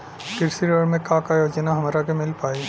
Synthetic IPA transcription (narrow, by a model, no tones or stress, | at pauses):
kɪɾsiɾəɾmẽkãkajoːd͡ʒənaɦɐmaːɾakemɪlpaːiː